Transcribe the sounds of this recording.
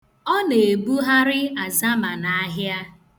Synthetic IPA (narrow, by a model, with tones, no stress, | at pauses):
ɔ˦ne˨e˨bu˦ɦa˦ɾɪ˦a˨za˦ma˨na˨a˦ɦja˦